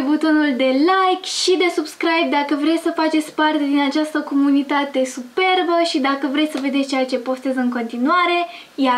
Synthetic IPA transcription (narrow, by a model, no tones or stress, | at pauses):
but̪o̞nuld̪e̞lajkʃid̪e̞subskɾajb̚d̪akəvɾe̞t̪ʲsəfat͡ʃet̪sʲpart̪e̞d̪inat͡ʃast̪əko̞munit̪at̪e̞supe̞rbəʃid̪akəvɾe̞t̪səve̞d̪et͡ʃejat͡ʃe̞po̞st̪e̞zɨŋko̞nt̪inuaɾe̞ | ja